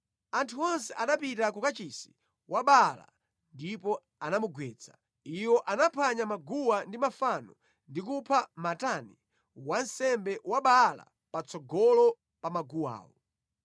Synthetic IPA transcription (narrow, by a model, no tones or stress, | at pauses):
antʰuɔnsɛʔaɗapitakukat͡ʃisi | wʔaɓala̰ | ndipɔ | anamuɡwɛːt͡sʰḁ | iwɔʔanapʰaɲamaɡuwandimafanɔ | ndikupʰamatani | wansɛmbɛwaɓala̰ | pat͡sɔɡɔlɔ | pamaɡuwa̰ːwɔ